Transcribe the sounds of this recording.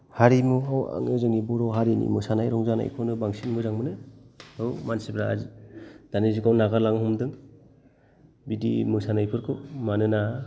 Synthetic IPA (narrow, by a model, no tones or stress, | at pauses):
haɾimuɦawa̰ŋezɯŋibuɾɔɦaɾinḭmɯsanajɾɔŋzana̰jkʰɔnɯbaŋsinmɯzaŋmɯnɯhɯwmansibɾa̰zid̥aniziɡawnaɡalaŋɦɔmdɯŋ | bidimɯsanajpʰɯɾkʰɯmanɯna